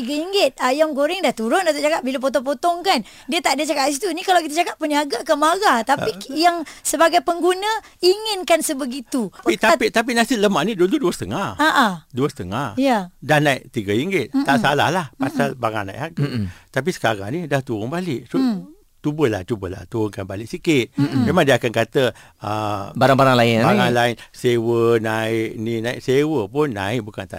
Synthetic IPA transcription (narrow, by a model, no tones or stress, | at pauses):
t̪iɡaiŋɡɪt̪̚ajaŋɡoɾɪŋdaht̪uɾʊndat̪at͡ʃakap̚bilap̬ot̪ɔŋpot̪ɔŋkan | diət̪aʔdiət͡ʃakap̚dis̬it̪unikalawkit̪at͡ʃakap̚pəniaɡakəmaɡat̪apijaŋsəbaɡajpəŋɡunə | iŋɪnkansəbəɡit̪uit̪apit̪ap̬inasɪləmaʔnidududuəsət̪əŋahaʔaduəsə̥t̪əŋahjjadahnaiʔt̪iɡəiŋɡɪt̪̚aʔsala̰hlahpasalbaŋanaḭʔaɡut̪ap̬isə̥kaɾa̰ŋnidaht̪uɾʊŋbalɪʔsu | t̪ubəla̰ht͡ʃubəla̰ht̪uɾʊŋkanbalɪʔ̚sikɪt̪̚memaŋdiəakankat̪ə | əbaɾaŋbaɾaŋlaɪnbaŋaŋlaɪnsewənaɪʔninaɪʔsewəpʊnːa̰ɪʔ̚bukant̪a̰